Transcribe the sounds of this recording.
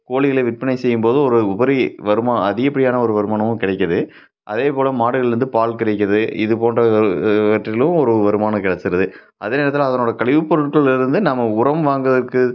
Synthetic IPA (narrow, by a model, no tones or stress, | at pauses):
koːɭɪɣɐlɐʋɪʈ̚pɐnɐɪsɛjːɯmpoːðɯ̃ɔɾɯʊbɐɾiʋɐɾɯmaːɐðɪɣɐpːɐɽɪjaːnɐɔɾɯʋɐɾɯmaːnɐmʊ̃kɪɽɐɪkʲːɐðɯ | ʔɐðeːpoːlɐmaːɽɯɣɐɭɪɾɯnd̪ɯpaːlkɪɽɐk̬ʲːɐðɯɪ̰ðɯpoːndrɐʋɐʈrɪlɯ̃mɔɾɯʋɐɾɯmaːnɐkɪɽɐt͡ʃːɯɾɐðɯ | ʔɐðeːneːɾɐt̪ːɪlɐðɐnoːɽɐkɐɭɪʋɯpːɔɾɯʈkɐɭɪɾɯnd̪ɯnamːɐʊɾɐmʋaːŋɡɐðɐrkːɯ